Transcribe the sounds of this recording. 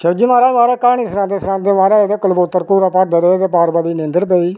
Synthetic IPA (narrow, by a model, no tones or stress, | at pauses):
ʃəd͡ʒimaːɾaːʋaːɾaːkaːɽ̃iːsɾãːd̪eːsɾãːd̪eːʋaːɾaːed̪eːkəlboːt̪ːəɾkuːɾaːpaːɾd̪aːd̪eeːd̪eːpaːɾbaːd̪iːnẽnd̪əɾpeːiː